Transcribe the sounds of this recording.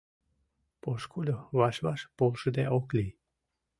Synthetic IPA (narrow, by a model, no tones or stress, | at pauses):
poʃkulʲoβɑʃβɑʃpolʃəd̪eoklʲi